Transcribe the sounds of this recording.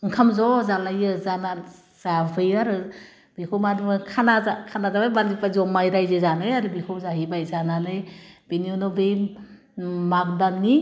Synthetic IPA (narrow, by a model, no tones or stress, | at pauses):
ŋkʰamzɔzalajɯzana | z̥abɯjaɾɯ | b̥ikʰowmadukʰanazakʰanazabajbalipazɔmajɾajzezanɯjaɾɯbikʰɯwzaɦibajzananɯjb̥eniunɔbej | mak̚danːi